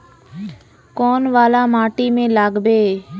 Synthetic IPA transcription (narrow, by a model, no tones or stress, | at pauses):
koːnʋaːlaːmaːʈiːmẽːlaːɡbeː